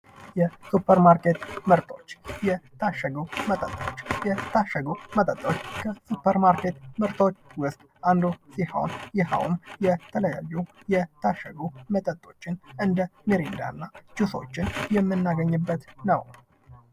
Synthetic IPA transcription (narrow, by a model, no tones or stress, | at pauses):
jɛsupʰːəɾmaɾket̪məɾt̪ʰo̞̰t͡ʃːjɛt̪ʰaʃːəɡəwmət̪ʼət̪ʼːo̞t͡ʃːjɛt̪ʰaʃːəɡəmət̪ʼət̪ʼːo̞t͡ʃːkʰəsupʰːəɾmaɾket̪məɾt̪ʰo̞t͡ʃːwʊst̪ʼand̪osiha̰wnjɪɦa̰wmjɛt̪ʰələja̰jːujɛt̪ʰaʃːəɡumət̪ʼət̪ʼːo̞t͡ʃːɪnɨnd̪əmeɾind̪a̰nːat͡ʃuso̞̰t͡ʃːɪnjɛmːɨnːaɡəɲːɨbːət̪nəw